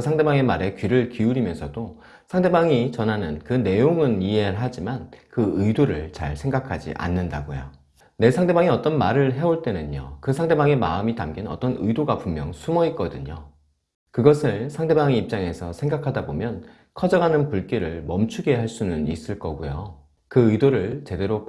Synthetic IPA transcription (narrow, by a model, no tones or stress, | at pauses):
sʰaŋde̞baŋe̞maɾe̞kɥiɾɯɭkiuɾimjʌnsʰʌdo | sʰaŋde̞baŋit͡ɕʌnɦanɯnkɯne̞joŋɯniɦe̞ɯɭɦad͡ʑimankɯɯidoɾɯɭt͡ɕa̰ɭsʰe̞ŋɡakʰad͡ʑḭʔa̰nːɯnda̰ɡojo̰ | ne̞sʰaŋde̞baŋiʌt͈ʌnmaɾɯɭɦe̞oɭt͈e̞nɯnɲo̰kɯsʰaŋde̞baŋe̞ma̰ɯmitamɡinʌ̰t͈ʌnɯdoɡapummjʌŋsʰumʌit̚k͈ʌdɯɲo̰ | kɯɡʌsʰɯɭsʰaŋde̞baŋiip̚t͡ɕ͈aŋe̞sʰʌsʰe̞ŋɡakʰadabomjʌn | kʰʌd͡ʑʌɡanɯnpuɭk͈iɾɯɭmʌmt͡ɕʰuɡe̞ɦaɭs͈unɯnis͈ɯɭk͈ʌɡujo | kɯɯidoɾɯɭt͡ɕe̞de̞ɾo